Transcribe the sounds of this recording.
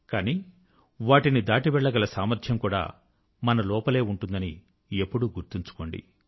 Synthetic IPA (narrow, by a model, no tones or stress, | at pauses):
kaːniː | ʋaːʈinid̪aːʈiʋɛɭːɐɡɐlɐsaːmɐɾt̪ʰjɐmkuːɽa̰ː | mɐnɐlɔːpɐle̞ːuɳʈund̪ɐni | epːuɽuɡuɾt̪iɲt͡ʃu̥ko̞ːɳɖḭ